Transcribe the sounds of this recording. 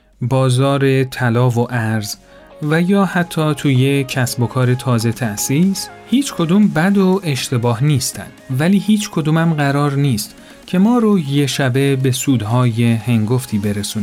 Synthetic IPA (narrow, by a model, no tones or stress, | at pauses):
bɒːzɒːɾe̞t̪ʰælɒːvoʔæɾz | væjɒːhæt̪ʰːɒːt̪ʰuːjecʰæsbo̞kʰɒːɾe̞t̪ʰɒːze̞t̪ʰæʔsishiːt͡ʃʰkʰo̞d̪uːmbæd̪oe̞ʃt̪ʰe̞bɒːhniːst̪æ̰nd̪̥væliːhiːt͡ʃʰkʰo̞d̪uːmæmɢæɾɒːɾniːst̪ | cʰe̞mɒːɾoje̞ʃæbe̞be̞suːd̪ɦɒːje̞he̞ŋɡo̞ft̪ʰiːbe̞ɾesun